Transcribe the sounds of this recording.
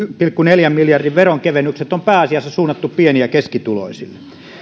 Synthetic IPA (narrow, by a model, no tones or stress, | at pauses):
pilkːuneljæmːiljɑrdiʋʋeroŋkeʋenːykset̪ompæːɑsijɑsːɑsuːnːɑt̪ːuppieniækeskit̪ulo̰isḭlːe